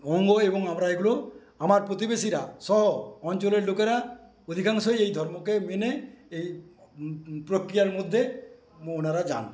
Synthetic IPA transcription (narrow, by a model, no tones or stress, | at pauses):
ɔŋɡoebɔŋamɾaeɡulo | amaɾpɾot̪̬ibesiɾasɔɦɔɔnt͡ʃɔleɾlokeɾa | od̪ʱikaŋsɔjejd̪ʱɔɾmokemeneej | pɾokɾijaɾmod̪ʱːe | muonaɾad͡ʒa̰n